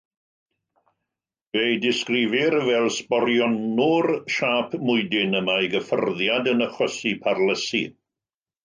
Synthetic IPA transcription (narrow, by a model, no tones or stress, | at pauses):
vejdɪskrɪvɪɾəvɛːlˠspɔɾjɔnurʃaːpʰmʊjdɪnəmajɡəfə̰rðjadənəχwɛsipʰarləsḭ